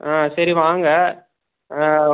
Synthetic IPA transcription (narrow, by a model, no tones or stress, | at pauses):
aːsɐɾiʋaːŋɡɐ